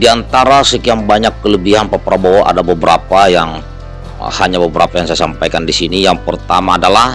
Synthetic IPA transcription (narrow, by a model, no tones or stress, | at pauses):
diant̪aɾasəkiambaɲakːələbiɦanpapɾaboʔa̰dabəbəɾapajaŋ | haɲabəbəɾapajaŋsajasampajkandisinijaŋpərt̪amaːdalah